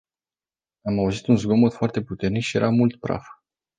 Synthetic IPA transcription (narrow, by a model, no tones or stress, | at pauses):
amauzit̪unzɡo̞mot̪foart̪e̞put̪e̞rnikʃije̞̰ɾamult̪bɾa̰f